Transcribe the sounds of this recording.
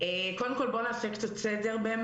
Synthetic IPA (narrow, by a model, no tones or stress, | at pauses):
ekod̪emko̞lbo̞naːseke̥t̪at͡sedeʁbem